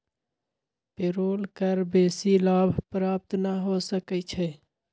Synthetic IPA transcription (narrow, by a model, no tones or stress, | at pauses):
peɾoːlkəɾbeːsilaːbʱpɾaːp̚t̪naɦosəkət͡ʃʰɛ